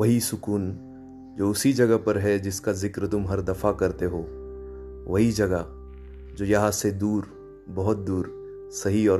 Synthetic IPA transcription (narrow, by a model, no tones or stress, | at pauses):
ʋɐɦisʊkuːn | d͡ʒoːʊsid͡ʒɐɡəpɐɾɦɛd͡ʒɪskazɪkɾt̪ʊmɦɐɾd̪ɐfakɐɾt̪eɦoː | ʋɐɦid͡ʒɐɡa | d͡ʒoːjɐɦãsed̪uːɾ | bɔɦʊt̪̚d̪uːɾ | sɐɦiɔːɾ